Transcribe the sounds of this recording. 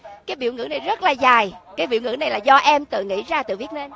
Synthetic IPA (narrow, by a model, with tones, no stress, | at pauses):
kaː˨˦jɓḭ˧˨wŋɨ̰˧˥na˨˩jzə˦˥t̚laː˨˩zaː˨˩jkaː˨˦jɓḭ˧˨əwŋɨ̰˧˥na˨˩jlaː˨˩zɔ˧ʔɛ˧mt̪ɨ̰˧˨ŋḭ˧˥zaː˧˩t̪ɨ̰˧˨vi˦˥ət̚ne˧n